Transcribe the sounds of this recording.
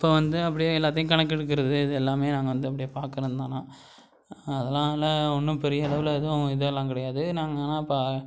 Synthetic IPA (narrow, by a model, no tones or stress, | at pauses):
ɪpːoːʋɐnd̪ɯɐp̬ːɐɽɪjeːɛlːaːt̪̬ːɐjʊ̃kɐɳɐkːɛɽɯkːɪɾɐðɯɪðɯɛlːaːmeːnãːŋɡɐʋɐnd̪ɯɐp̬ːɐɽɪjeːpaːɾkɯɾɐnd̪ãːnãː | ɐðɛlːãːlɐ̃ɔnːɯpɛɾɪjɐɐɭɐʋɪlɪðʊ̃ɪðɯlːãːk̬ɪɽɐjaːðɯnaːŋɡnãːɪpːa